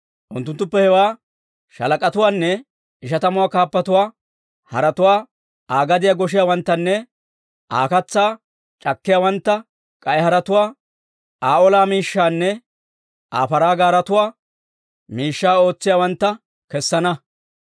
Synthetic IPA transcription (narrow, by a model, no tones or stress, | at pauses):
ʔʊnt̪ːʊnt̪ːʊpːɛhɛwaː | ʃɐ̰lɐkʼɐt̪ʊwaːnːɛ | ɪʃɐt̪ɐmʊwaːkaːpːɐt̪ʊwaː | hɐ̰ɾɐt̪ʊwaː | aːɡɐd̪ɪjaːɡɔʃ̬ɪjaːwɐnt̪ːɐnːɛ | ʔa̰ːkɐt͡sːaː | t͡ʃʼɐkːɪjaːwɐnt̪ːɐ | kʼɐjhɐɾɐt̪ʊwaː | aːʔɔlaːmiːʃːaːnːɛ | ʔa̰ːfɐɾaːɡaːɾɐt̪ʊwaː | miːʃːaːo̞ːt͡sːɪjaːwɐnt̪ːɐ | kɛsːɐnɐ